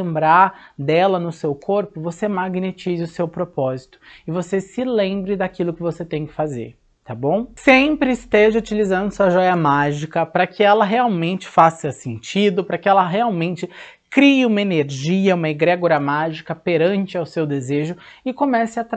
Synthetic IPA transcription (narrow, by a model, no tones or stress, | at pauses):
ẽmbɾaɾd̪ɛlɐnʊsewkʰoɾpʊvosemaɡnet͡ʃizɪʊsewpɾopɔzit̪ʊ̥ɪvosesɪlẽmbɾɪd̪akilʊkɪvoset̪ẽj̃kɪ̥fazḛɾ | t̪abõw̃sẽpɾɪɪst̪eʒɐut͡ʃilizɐ̃nd̪ʊsuɐʒɔjɐmaʒikɐpɾɐkʰɪɛlɐɦeawmẽnt͡ʃɪ̥fasɐsẽnt͡ʃid̪ʊpɾɐkɪɛlɐɦeawmẽnt͡ʃɪ | kɾiɪũmɐeneɾʒiɐũmɐɪɡɾɛɡoɾɐmaʒikɐpeɾɐ̃nt͡ʃɪawsewd̪ezeʒʊɪkomɛsɪɐt̪